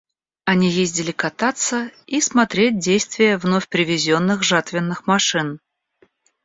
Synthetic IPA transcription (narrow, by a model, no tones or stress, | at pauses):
ɐnʲijezʲdʲɪlʲɪkɐt̪at̪səismɐt̪ɾʲet̚ʲdʲejst̪vʲɪjəvnofʲpɾʲɪvʲɪzʲo̞nːɨxʐat̪vʲɪnːɨxmɐʂɨn